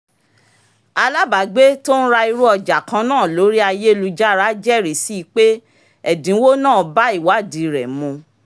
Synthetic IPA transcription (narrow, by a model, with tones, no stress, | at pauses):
a˧la˦ba˨ɡ͡be˦to˦n̩˦ɾa˧i˧ɾu˦ɔ˧d͡ʒa˨kã˧˦nãː˦˨lo˨˦ɾi˦a˧je˦˧lu˧d͡ʒa˦ɾa˦d͡ʒɛ˦˨ɾi˨si˦i˧k͡pe˦ | ɛ˦˨dĩ˨˦wo˦nã˦˨ba˦i˦˨wa˨˦˨dĩ˨ɾɛ˨mũ˧